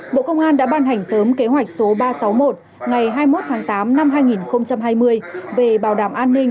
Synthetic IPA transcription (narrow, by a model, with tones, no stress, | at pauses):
ɓo̰˧˨kə˧wŋ͡mʔaː˧nɗa̰ː˧˥ɓaː˧nɦa˨˩jŋ̟səː˨˦mke˨˦ɦwa˨˩jk̟̚so˨˦ɓaː˧sa˨˦wmo˨˩t̚ | ŋa˨˩jɦaː˧jmo˦˥t̚t̪ʰaː˨˦ŋt̪aː˨˦mna˧mɦaː˧jŋi˨˩nxə˧wŋ͡mt͡ɕa˧mɦaː˧jmɨ˧əjve˨˩ɓaː˨˩wɗaː˧˩mʔaː˧nːï˧ŋ̟